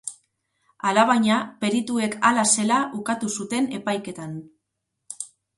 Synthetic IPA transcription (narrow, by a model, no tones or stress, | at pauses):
alaβ̞aɲape̞ɾit̪ue̞kalase̞laʔukat̪usut̪e̞ne̞pajke̞t̪an